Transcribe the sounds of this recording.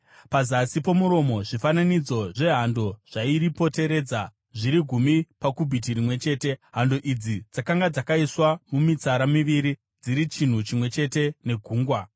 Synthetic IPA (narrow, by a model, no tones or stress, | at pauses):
pazasipo̞muɾo̞mo̞ʐifananid͡zo̞ʐe̞ɦando̞ʐ̥aiɾipo̞te̞ɾe̞ːd͡za | ʐiɾiɡʱumipakubʱit̬irimwe̞t͡ʃe̞ːte̞ɦando̞ʔid͡zid͡zakaŋɡad͡zakaiswamumit͡saɾamiʋiɾi | d͡ziɾit͡ʃin̤ut͡ʃimwe̞t͡ʃe̞te̞ne̞ɡʱuːŋɡwa